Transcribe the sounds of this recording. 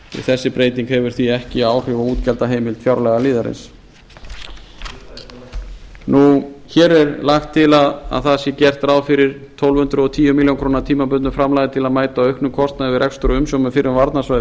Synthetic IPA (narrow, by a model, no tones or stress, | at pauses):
ɪ̰θɛsːɪpɾeːjt̪iŋkhɛvʏɾ̥θiɛhcɪaːwr̥ʏvauːt̪cɛlt̪aɦejmɪlt̪fjawɾlɛɣaliːðaɾɪ̰ns | nuçɛːɾɛɾlaxt̪ʰːɪlaða̰ðθaðsjɛcɛr̥t̪ɾaːwfɪɾɪɾ̥t̪ʰɔwlvhʏnt̪ɾʏɔt̪ʰiːjʏmiljanŋkʰɾuːnaɾt̪ʰiːmapʏnʏfɾamlajðɪt̪ʰɪlaðmaːjt̪aœɥhknʏmkʰɔst̪naðɪvɪɾʔɛkst̪ʏɾʏʏmsjowmʏfɪɾɪʏvaɾt̪nasvajð